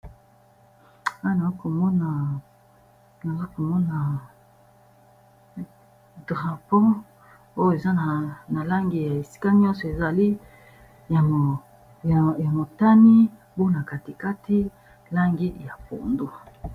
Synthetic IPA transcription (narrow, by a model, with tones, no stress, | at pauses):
a˦na˨za˦ko˨mɔ˦na˨ | na˨za˦ko˨mɔ˦na˨ | dʁa˨pɔ̃˦ | o˦je˨za˦na˨na˨la˦ŋɡi˦ja˨e˨si̥˦ka˦ɲjɔ̃˦nsɔ˨e˨za˨li˦ | ja˨o˨ | ja˨mo˨ta˦ni˦ | bo˦na˨ka˨ti˨ka˦ti˦ | la˦ŋɡi˦ja˨po̰˨ndo˦